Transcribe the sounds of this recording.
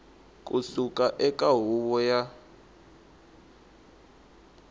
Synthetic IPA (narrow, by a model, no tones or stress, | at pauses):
kʼusukʼaʔɛkʼaɦuβɔja